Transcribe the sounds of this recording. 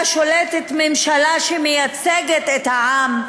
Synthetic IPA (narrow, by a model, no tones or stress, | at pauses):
ʃolet̪et̪memʃalaʃemejat͡seɡet̪et̪haʕam